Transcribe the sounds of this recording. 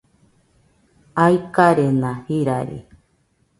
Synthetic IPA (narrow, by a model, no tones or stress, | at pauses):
aikaɾenãhiɾaɾḭ